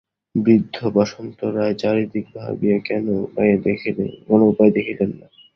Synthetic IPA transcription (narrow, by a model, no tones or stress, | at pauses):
bɾid̪ʱːobaʃont̪oɾaet͡ɕaɾid̪ik̚bʱa̰biekɛnopajed̪ekʰlḛkonoupajd̪ekʰilenːa